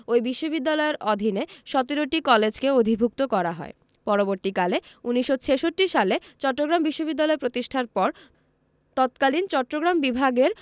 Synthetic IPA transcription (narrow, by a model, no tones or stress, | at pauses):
ojbiʃːobid̪ːalɔeɾɔd̪ʱineʃɔt̪iɾoʈikɔled͡ʑkeod̪ʱibʱuk̚t̪okɔɾaɦɔ̰e | pɔɾoboɾt̪ikaleuniʃːot͡ɕʰeʃoʈːiʃalet͡ɕɔʈːoɡɾambiʃːobid̪ːalɔepɾot̪iʃʈʰaɾpɔɾ | t̪ɔt̪kalint͡ɕɔʈːɾoɡɾambibʱaɡeɾ